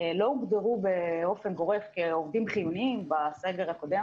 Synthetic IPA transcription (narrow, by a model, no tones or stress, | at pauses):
lo̞uɡd̪eʁubeo̞fenɡo̞ʁe̞fkeovd̪imχijuniimbase̞ɡeʁhako̞d̪e